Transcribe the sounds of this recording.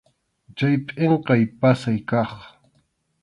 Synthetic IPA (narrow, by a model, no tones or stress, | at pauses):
t͡ʃajpʼeɴqɑjpasajkɑχ